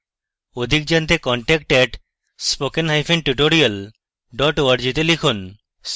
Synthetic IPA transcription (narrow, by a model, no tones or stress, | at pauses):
od̪ʱik̚d͡ʑant̪̬ekɔɳʈɛk̚ʈɛʈ | spokenɦajfʰenʈuʈoɾial | ɖɔʈoaɾd͡ʑit̪elikʰun